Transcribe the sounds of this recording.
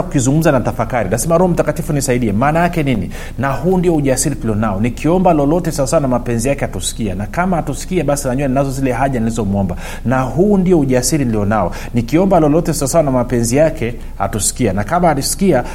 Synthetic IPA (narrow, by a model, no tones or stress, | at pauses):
akukizuŋɡum̩zanatafakaɾinasɛmaɾuhɔm̩takatifunisaiɗiɛmaːnajakɛnini | nahuːndiɔuʄasiɾituliɔnaɔnikiɔmbalɔlɔtɛsaasawanamapɛnzijakɛhatusi̥kianakamahatusi̥kiaɓasinaɲuannazɔzilɛɦaʄanilizɔmuɔmba | naɦuːndiɔuʄasiɾiniliɔnaɔ | nikiɔmbalɔlɔtɛsaasawanamapɛnzijakɛ | ha̰tusi̥kianakamaalisi̥kia